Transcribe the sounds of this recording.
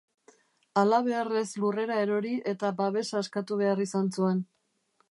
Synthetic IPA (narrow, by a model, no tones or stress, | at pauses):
alaβ̞e̞are̞slure̞ɾae̞ɾo̞ɾiʔe̞t̪abaβe̞saeskat̪uβe̞arisant͡sue̞n